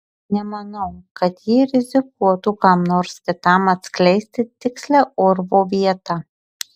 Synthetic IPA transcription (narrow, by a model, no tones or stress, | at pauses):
nʲɛmɐnɐʊkɐt̪jiːɾʲɪzʲɪk̚uɔt̪uːkɑmnoːɾʲsʲt̪ʲɪt̪ɑmɐt̪ʲsʲklʲɛɪsʲt̪ʲɪt̪ʲɪksʲlʲæʊɾʋoːʋʲiɛt̪ɑ